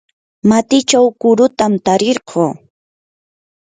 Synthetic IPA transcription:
mat̪ɪt͡ʃawkʊɾʊt̪amt̪aɾeɾɢʰoː

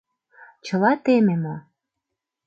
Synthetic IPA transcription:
t͡ɕɤ̆lɑt̪ememo

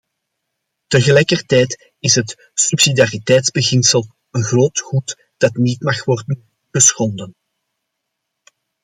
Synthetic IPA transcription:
təɣəlɛjkərtɛːjt | ɪsɦət | sypsidaritɛjtzbəɣɪnsəlˠ | ənɣroːtχut | d̥ɑtniːtmɑxʋɔrdən | ɣəsxɔndən

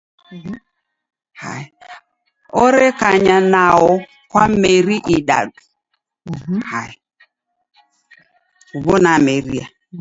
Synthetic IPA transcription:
ha̰ɪ | oɾekaɲanaʊ | kʷameɾiʔiɗa̰du | haɪ | ubonameɾia

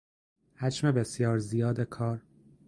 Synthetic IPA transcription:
hæd͡ʒme̞be̞sjɒːɾzijɒːd̪ekʰɒːɾ

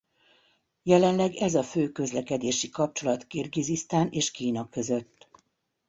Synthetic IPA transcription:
jɛlɛnlɛɡɛzɒføːkøzlɛkɛd̪eːʃikɒp̚t͡ʃo̞lɒt̪kirɡizist̪aːnʔeːʃkiːnɒkø̞zøt̪ː

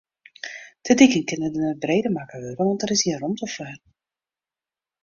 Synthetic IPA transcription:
d̥ədikənkɪnədənət̚brejdəmakəɦøːvəʋɔntəɾɪsiərɔmtɔfœːr

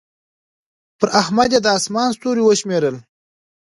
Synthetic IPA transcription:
pəɾʔahmad̪jed̪əɑsmɑːnst̪uɾiwəʃmeɾəl

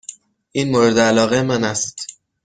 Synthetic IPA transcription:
ʔinmoɾed̪eælɒːɣemænæst̪

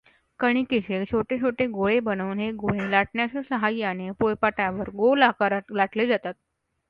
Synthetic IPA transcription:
kəɽ̃ikiɕet͡ɕʰoʈet͡ɕʰoʈeɡoɭebənəʋnɦeɡoɭelaʈɳjat͡ɕesəɦajanepojpaʈjaʋəɾɡolakaɾlaʈled͡zat̪at̪̚

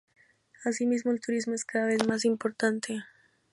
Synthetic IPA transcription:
asimizmoelt̪uɾizmo̞eskaðaβe̞smasimpo̞ɾt̪ant̪ʰe̞

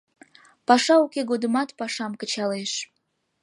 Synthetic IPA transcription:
pɑʃɑukeɡod̪əmɑt̪pɑʃɑmkət͡ɕɑleʃ

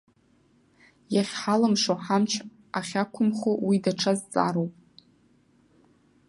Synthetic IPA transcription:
jaχʲħalɨmʂoħamt͡ʃʰ | aχʲakʷʰʊmχowidaʈ͡ʂʰazt͡sʼa̰ɾowpʼ

